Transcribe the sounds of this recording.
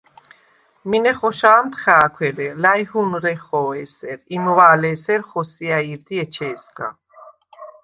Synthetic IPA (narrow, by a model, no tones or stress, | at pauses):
minɛχɔʃaːmt̪ʰχaːkʷʰwɛɾɛlajhunɾɛχɔːɛsɛɾimvaːlɛːsɛɾχɔsiaiɾd̪iɛt͡ʃʰɛːska̰